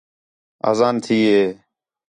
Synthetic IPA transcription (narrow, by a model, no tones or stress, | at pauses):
a̰ːzaːnt̪ʰiːɦeː